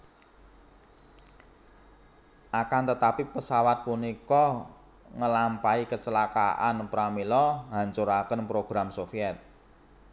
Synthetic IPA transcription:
ʔakant̪ət̪apipəsawat̪̚punikɔ | ŋəlampaikət͡ʃəlaka̰ʔa̰npɾamilɔɦaɲt͡ʃuɾakənpɾoɡ̥ɾamsofiɛt̪̚

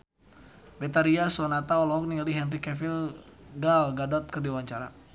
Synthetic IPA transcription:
bɛt̪aɾiasɔnat̪aɔlɔɦɔk̚niliɦɛnrikɛfilɡalɡadɔt̪̚kɨrdiwaɲt͡ʃaɾa̰

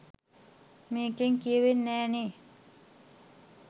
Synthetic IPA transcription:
meːkeŋkiəʋenːɛːne

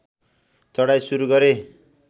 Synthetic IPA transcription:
t͡sʌɽajsuɾuɡʌɾe

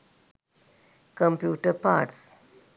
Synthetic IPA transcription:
kə̃mpjuːʈəɾpa̰ːʈs

